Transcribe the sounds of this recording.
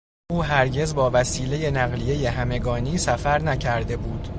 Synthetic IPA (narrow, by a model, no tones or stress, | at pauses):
ʔuːɦæɾɟe̞zbɒːvæsiːle̞je̞næɣlije̞je̞ɦæme̞ɡɒːniːsæfæɾnæcʰæɾd̪e̞buːd̪̥